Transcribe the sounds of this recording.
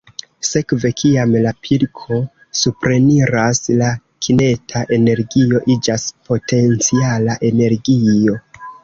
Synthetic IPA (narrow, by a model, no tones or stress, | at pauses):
se̞kve̞kʰiamlapʰiɾkʰo̞ | supɾe̞niɾasla | kʰine̞tʰaʔe̞ne̞ɾɡio̞ʔid͡ʒaspo̞tʰe̞nt͡sialaʔe̞ne̞ɾɡio̞